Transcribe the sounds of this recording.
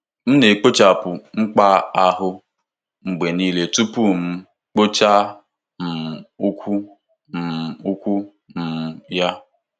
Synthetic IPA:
m̩˦ne˨k͡po˦t͡ʃa˨pʊ˨ŋ͡m̩˦k͡pa˦a˦ɦʊ˦ | ŋ͡m̩˨ɡ͡be˨niː˦le˨tu˦pu˦m̩˦ | k͡po˦t͡ʃa˦ | m̩˨u˦kʷʰu˦ | m̩˨u˦kʷu˦ | m̩˨ja˦

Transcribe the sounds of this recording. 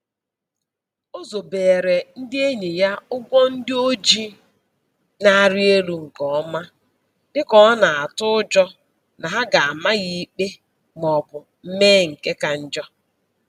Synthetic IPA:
o˦zo˨beː˨ɾe˨n̩˦dɪ˦e˦ɲe˨ja˦ʊ˦ɡʷɔ˦n̩˦dɪ˦o˦d͡ʒi˦ | na˦a˨ɾɪ˦e˦lu˦ŋ̩˨kɔ˨ɔ˦ma˦ | dɪ˦kɔ˨˦na˨a˨tʊ˦ʊ˦d͡ʒɔ˦ | na˨ɦa˦ɡa˨a˨ma˦ɣi˦k͡pe˦ | mɔ˨bʊ˨ | m̩˦meː˦ŋ̩˨ke˦ka˨n̩˦d͡ʒɔ˦

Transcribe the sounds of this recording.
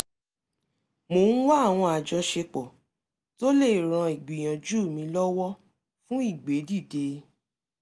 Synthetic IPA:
mo˨˦ñ̩˦wa˦a˦˨w̃ɔ̃˧a˨d͡ʒɔ˧ʃe˧k͡pɔ˨ | to˦le˦˨ɾ̃ã˧i˨ɡ͡bi˨j̃ã˨d͡ʒuː˦˨mĩ˧lɔ˦wɔ˦ | fũ˦i˦˨ɡ͡be˨˦di˦˨de˧

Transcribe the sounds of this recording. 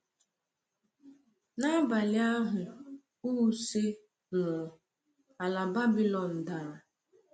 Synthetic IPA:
na˦ba˨lɪ˦a˦ɦʊ˨ | u˦se˦ | nʊ˨ | a˨la˨ba˦bi˦lɔ˨n̩˨da˨ɾ

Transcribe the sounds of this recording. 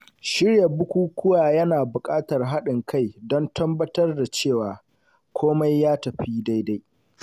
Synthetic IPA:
ʃɪ˦rja˨bʊ˦kʷuː˦kʷʊ˦waː˨jɐ˦naː˨bʊ˨kʼaː˦tɐ˨rɦa˦ɗɪ˨ŋkʰa˦˨jdɔ˦ntʰɐ˦mbɐ˦tɐ˦rda˨t͡ʃeː˦˨waː˨ | kʷʰoː˦ma˦jːaː˦tɐ˨ɸiː˦da˦jda˦j

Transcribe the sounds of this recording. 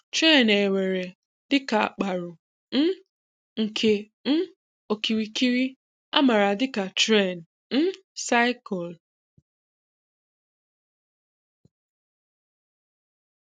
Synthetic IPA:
tɾe˦˨ne˨we˨ɾe˨ | dɪ˦ka˨a˨k͡pa˨ɾʊ˨ | n̩˦ | ŋ̩˨kʰe˨ | n̩˦ | o˨ki˨wi˨ki˦ɾi˦ | a̰˦ma˨ɾa˨dɪ˦ka˨tɾe˦˨n˨ | n̩˦ | sa˦ɪ˦kɔ˨l

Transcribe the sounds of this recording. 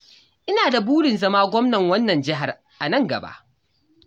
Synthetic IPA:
ʔɪ˦naː˨da˨buː˦ɽɪ˨nzɐ˦maː˦ɡʷɔ˦mnɐ˨ŋwɐ˦nːɐ˨nd͡ʒɪ˦ɦa˨r | ʔa˨nɐ˦˨ŋɡɐ̰˨ba̰˦ʔ

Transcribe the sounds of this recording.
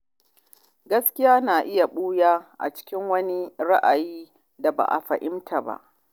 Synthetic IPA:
ɡɐ˦skʲɪ˦jaː˦naː˨ʔɪ˦ja˨ɓuː˦jaː˦ʔa̰˨t͡ʃɪ̥˦kʲɪ˦ŋwɐ˦ni˦ɾa˦ʔa˨jiː˦ | da˨ba̰˨ʔa̰˨ɸɐ˨ʔɪ˦mtʰa˨ba̰˦ʔ

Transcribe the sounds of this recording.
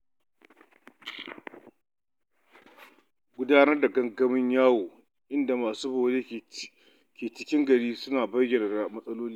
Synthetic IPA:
ɡʷʊ˦daː˦nɐ˦rda˨ɡɐ˦ŋɡɐ˦mɪ˦ɲjaː˦woː˨ | ʔɪ˦nda˨maː˨suː˦boː˨ɽeː˦ | kʰʲeː˨t͡ʃɪ˦kʲɪ˦ŋɡɐ˨ɽiː˦sʊ˦naː˨bɐ˦jjʲɛ˨nɐ˨rda˨mɐ˦sʼɐ˦loː˦liː˦

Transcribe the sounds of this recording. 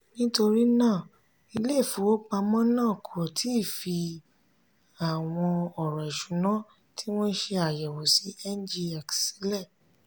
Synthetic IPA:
nĩ˦to˧ɾi˦nãː˦˨ | i˧le˦˨fu˨˦wo˦k͡pa˧mɔ̃˦nãː˦˨kʰo˨o˨tʰi˨˦˨fi˧ | a˨w̃ɔ̃˧ɔ˨ɾɔ˨i˨ʃũ˨˦nã˦ | ti˦w̃ɔ̃˦ʃe˧a˨jɛ˨wo˨si˨˦ɛ˦n˦d͡ʒi˧a˨ksi˨˦lɛ˦˨

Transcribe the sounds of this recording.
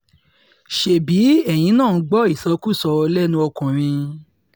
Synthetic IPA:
ʃe˨bi˨˦ɛ˦˨j̃ĩ˨˦nãː˦˨˧ɡ͡bɔ˦i˦˨sã˨˦ku˦˨sɔ˧lɛ˦nũ˧ɔ˧kɔ̃˨ɾ̃ĩ˧

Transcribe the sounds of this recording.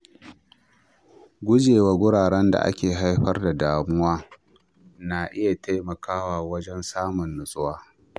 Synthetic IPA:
ɡʷʊ˦d͡ʒeː˨waː˦ɡʷʊ˦ɽaː˨ɽɛ˦nda̰˨ʔa̰˦kʲeː˨ɦa˦jɸɐ˦rda˨daː˨mʊ˦waː˦ | na˨ʔɪ˦ja˨tʰa˦jmɐ˨kʰaː˦waː˨wɐ˦d͡ʒɛ˦nsaː˦mʊ˨nːʊ˨sʼʊ˦waː˦

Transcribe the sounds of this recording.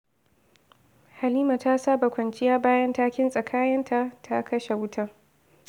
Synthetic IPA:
ha˨liː˦ma˨ta˦saː˦ba˨kʷɐ˨nt͡ʃɪ˦jaː˦baː˦jɐ˦ntaː˦kʲɪ˦nsʼɐ˨kʰaː˦jɐ˦ntʰa˨tʰa˦kʰɐ˦ʃe˨wʊ˦tʰaː˦

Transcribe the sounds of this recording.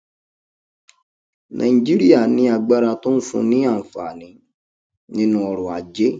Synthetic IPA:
nʔã̰˨ĩ˨d͡ʒi˦ɾi˦a˦˨nĩ˨˦a˨ɡ͡ba˦ɾa˧to˦n̩˦sṵ̃˧nĩ˦a˦˨fa˨nĩ˨˦ | nĩ˦nũ˦ɔ˧ɾɔ˨a˨d͡ʒe˦

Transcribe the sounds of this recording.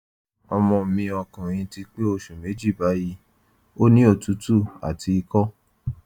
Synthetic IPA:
ɔ˧mɔ̃˧˨mĩ˧ɔ˧kã˨j̃ĩ˧ti˧k͡pe˦o˧˨ʃu˨me˨˦d͡ʒi˦˨ba˨˦ji˦ | o˦nĩ˦o˦˨tu˨˦tu˦˨a̰˨tʰi˧i˧kɔ˦

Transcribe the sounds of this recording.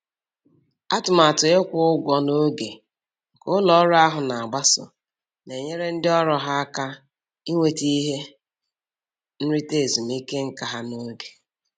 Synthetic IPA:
a˦tʊ˨ma˨tʊ˨e˦kʷʊ˦ʊ˦ɡʷɔ˨no˦ɡe˨ | kʊ˦lɔ˨˦ɾʊ˦a˦ɦʊ˨na˨a˨ɡ͡ba˦sʊ̰˨ | ne˨ɲe˦ɾe˦n̩˦dɪ˦ɔ˦ɾɔ˦ɦa˦a˦ka˦ | i˦ŋʷe˨ti˦ɦe˦ | n̩˦ɾɪ˦te˨zu˨m̩˦i˦ke˦ŋ̩˦ka˨ɦa˦no˦ɡe̥˨

